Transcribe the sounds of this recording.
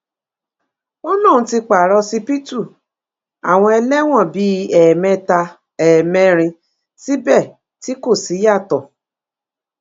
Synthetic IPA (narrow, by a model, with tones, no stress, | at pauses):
ɔ˦nã˦˨ũ˧˦ti˧k͡pa˨ɾɔ˧si˧pi˦tu˦˨ | a̰˨w̃ɔ̃˧ɛ˧lɛ˦w̃ɔ̃˦˨bi˨˦ɛ˨mɛ̃˧˦ta˧ | ɛ˨mɛ̃˧˦ɾ̃ĩ˧ | si˦bɛ˦˨ | ti˨˦ko˦˨si˨˦ja˦˨tɔ˨